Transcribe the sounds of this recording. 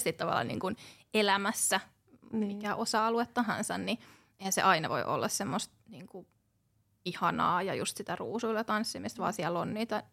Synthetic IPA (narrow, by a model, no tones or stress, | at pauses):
sit̪t̪ɑʋɑ̰lːɑ̰nḭːŋkun | elæmæsːæ | ikæʔosɑːluet̪ːɑhɑ̰nsænni | ehæsḛʔɑinɑʋo̰ḭʔo̰lːɑssemːost̪niːŋku | ihɑnɑ̰ːjɑjṵst̪sit̪æruːsuilːɑt̪ɑnsːimist̪ʋɑ̰ːsiælːonniːt̪æ